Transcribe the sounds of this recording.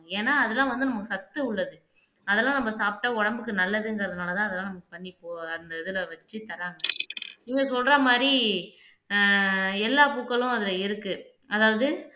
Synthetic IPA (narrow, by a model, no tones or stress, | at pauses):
eːnːaːɐðɛlːãːʋɐnd̪ɯnɐmɐkːɯsɐt̪ːɯʊɭːɐðɯ | ɐðɛlːãːnɐmːɐsaːp̚ʈːɐɔɽɐmbɯkːɯnɐlːɐðɯŋɡɐɾɐðɐɯnaːlɐt̪ãːɐðɛlːãːnɐmɐkːɯ̥pɐɳːipːoːɐnd̪ɐɪðɯlɐʋɐt͡ʃːɯt̪ɐɾaːŋɡɐniŋɡɐsɔlɾɐmaːdɾi | ɛlːaːpuːkːɐɭʊ̃ɐðɪlɐɪɾɯkːɯ | ɐðaːʋɐðɯ